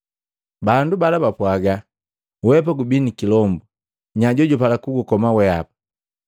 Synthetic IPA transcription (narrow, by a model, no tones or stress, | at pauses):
bandubalabapwaɡa | wɛp̬aɡubinikilɔmbu | ɲaɟɔɟɔpalakuɡukɔmawɛa̰pḁ